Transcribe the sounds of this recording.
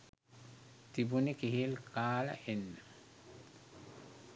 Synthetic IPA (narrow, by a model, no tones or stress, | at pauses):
t̪ibunikiɦilkaːlə̰ʔenːə